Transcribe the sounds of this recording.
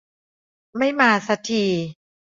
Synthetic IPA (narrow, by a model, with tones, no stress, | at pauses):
ma˥˩jmaː˧sa˧˦t̪ʰiː˧